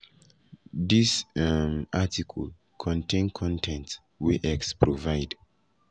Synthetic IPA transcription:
ðismʔatikʰəl | kʰɔ̃ntʰẽnkʰɔ̃ntʰɛ̃nts | wiʔɛkspʰɹɔvaɪd

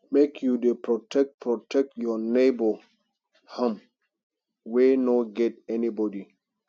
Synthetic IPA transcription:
mekʰjudepɹɔtɛk̚pʰɹɔtʰɛk̚tjɔnebɔ | hãm | wenɔɡɛtɛnibɔdi

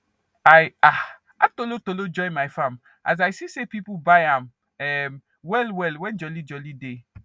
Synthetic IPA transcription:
aja | atolotolod͡ʒɔjmaɪfãm | ʔa̰z̬ajsisepipubajãm | ɛm | wɛlwɛlwɛ̃nd͡ʒɔlid͡ʒɔlide

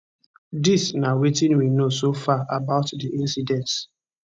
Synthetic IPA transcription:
disnawetĩnwinosofaʔabaʊtdiʔĩnsidɛ̃nt

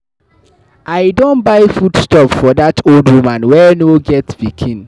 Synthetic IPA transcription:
aɪdõnbaɪfudstɔpfɔðatʰoldwumãnwɛnoɡɛtb̥ikʰĩn

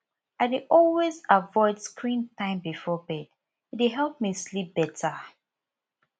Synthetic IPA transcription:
aɪdɪʔɔlwezavɔɪdskʰɹĩntãɪ̃mbifɔbɛd | it̚eɦɛlˠp̚mislip̚b̥ɛtʰə

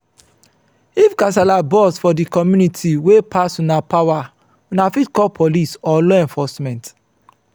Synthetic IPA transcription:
ifɡas̬alabɔsfɔdikɔmjunitʰiwepʰasũnapawa | ũnafitkɔlpʰɔlisɔlɔɛ̃ɱfɔsmɛ̃nt

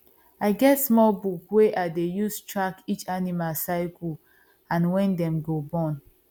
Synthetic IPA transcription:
aɪɡɛtsmɔlbukweʔaɪdejustɹakit͡ʃanimalsaɪkʰəl | ãnwɛ̃ndɛ̃mɡobɔ̃n

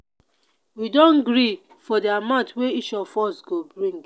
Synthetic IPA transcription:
widɔ̃nɡɾi | fɔdeamãtweiʃɔfɔsɡobɹĩŋ

